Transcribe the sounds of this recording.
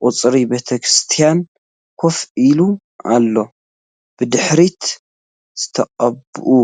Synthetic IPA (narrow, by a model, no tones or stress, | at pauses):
ʔʼʊt͡sʼɾibet̪ʰɐkɾɨst̪ʰijan | kʰofilu | a̰lːo̞ | b̥ɨd̪ɨħɾit̪ | z̥ɨt̪ʰɐqʼɐbʔu